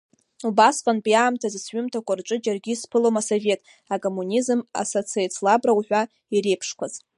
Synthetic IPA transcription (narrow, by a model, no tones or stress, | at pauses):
ubasqʼanpʼiaːmtʰazɨsɥʏmtʰakʷʼarʈ͡ʂʷʼɨd͡ʒarɡʲiːspʰɨlomaso̞ve̞tʼ | akʼo̞mːunʲizɨma̰sot͡sʰiet͡sʰlabrawħʷᶣa | iɾejpʰʂkʷʰaz